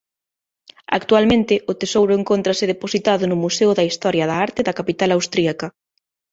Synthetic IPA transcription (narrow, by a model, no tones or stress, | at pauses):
a̰kt̪ualmẽnt̪ɪʊt̪esowɾʊeŋkont̪ɾɐsɪðeposit̪aðʊnʊmuseʊðɐist̪ɔɾjɐðɐaɾt̪ɪðɐkapit̪alawst̪ɾiakɐ